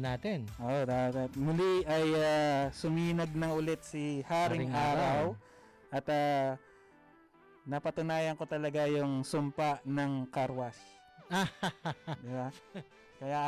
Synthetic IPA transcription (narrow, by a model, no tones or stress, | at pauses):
naːt̪ɛnʔoʔod̪at̪t̪mʊliʔɐjasʊmiːnɐɡ̚nɐŋʊlɛt̪̚sɪhaːɾɪŋʔaːɾaw | ʔɐt̪a | nɐpɐt̪ʊnaːjɐŋkot̪ɐlɐɡajʊŋsʊmpaʔnɐŋkaɾwɐs | a | d̪ɪba | kɐja